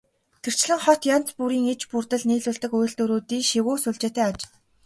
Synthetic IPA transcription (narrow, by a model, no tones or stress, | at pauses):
t̪ʰer̥t͡ɕ̆ɮɘ̆ŋχɔt̪jan̥t͡spuɾiːŋet͡ɕpurt̪ə̆ɮniːɮʊːɮt̪ɘ̆kujɬt̪ɵɾoːt̪iːʃiwuːsʊɮt͡ɕeːt̪æːat͡ɕ